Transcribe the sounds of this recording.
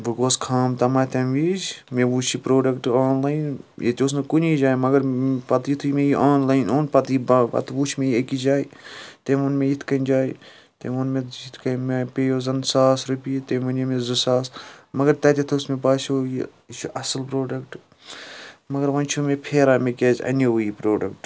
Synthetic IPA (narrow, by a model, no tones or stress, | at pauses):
buɡoːskʰaːmt̪ɐmaːt̪ɐnʋiːd͡ʒmeʋuːt͡ʃʰipɾoːɖɐkʈaːnlaːinjḛt̪ʲoːs̬nɐkunid͡ʒaːjmɐɡɐɾpɐt̪jit̪ʰumẽjiʔaːnlaːinoːnpɐt̪ibɐ̰t̪ʋuːt͡ʃʰmẽjekid͡ʒaːit̪eʋonmẽjit̪ʰkɐnʲd͡ʒaːj | t̪ḛmonmeit̪ʰkɐmepejoːzɐnsaːsɾupit̪eʋɐnemezɨsaːsmɐɡɐɾt̪ɐt̪ʲit̪ʰosmebaːsʲoːji | t͡ʃʰuʔɐsɨlpɾoːɖɐkʈ | mɐɡɐɾʋɐnt͡ʃʰumepʰeːɾaːmekʲeːzʲɐ̰noʋujipɾoːɖɐkʈ